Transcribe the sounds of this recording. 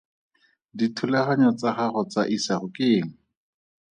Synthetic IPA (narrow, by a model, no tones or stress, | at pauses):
ditʰʊlɛχaɲɔt͡saχaχɔt͡saʔisaχʊkɪːŋ̩